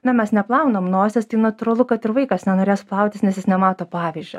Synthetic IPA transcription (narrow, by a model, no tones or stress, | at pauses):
nʲɐmʲɛsnʲɛplˠɐʊnomnoːsʲɛst̪ɐɪnɐt̪ʊɾɐlˠʊkɐt̪ɪɾʋɐɪkɐsnʲɛnoːɾʲeːsplˠɐʊt̪ʲɪsnʲɛsjɪsnʲɛmɑːt̪oːpɑːʋʲɪzʲd͡ʒʲʊ